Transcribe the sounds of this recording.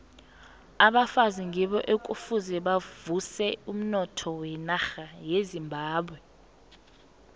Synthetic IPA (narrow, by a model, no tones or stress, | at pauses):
aɓafaziŋʱiɓɔʔekʼufuzɛɓavusɛum̩nɔtʰɔwɛnaxajezimbʱaːɓwɛ